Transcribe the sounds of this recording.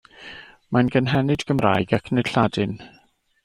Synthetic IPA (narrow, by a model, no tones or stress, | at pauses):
manɡənɦɛnɨdɡəmra̰ːjɡakʰned̥ɬadɨn